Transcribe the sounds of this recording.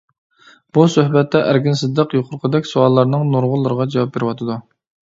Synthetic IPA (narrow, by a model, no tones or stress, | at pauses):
b̥usøhbɛt̪ːɛʔæɾɡʲinsɨd̪ːəqjoqʰʊɾqʰəd̪ɛkʲsuɑlˠːɑɾnɨŋnuɾʁʊlˠːɨɾəʁɑd͡ʒɛwɑp̚beɾɪwɑt̪ʰɨd̪u